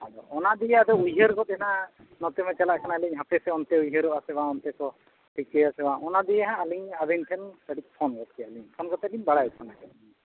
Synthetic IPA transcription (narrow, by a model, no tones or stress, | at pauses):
adɔɔnaʔd̪ijad̪ɔujɦəɾkɔt̪̚ɦɛna | nɔt̪ɛmɛt͡ʃalaʔkʰanalɛɲɦapɛsɛɔnt̪ɛujɦəɾɔʔasɛbãɔnt̪ɛkɔ | ʈikejasɛwãɔnad̪ijɛɦãːliɲabɛnʈ̪ʰɛnkaɽik̚pʰɔnkɔt̪̚kɛaliɲpʰɔnkɔt̪ɛliɲbaɽajɔt̪̚kʰɔnakɛ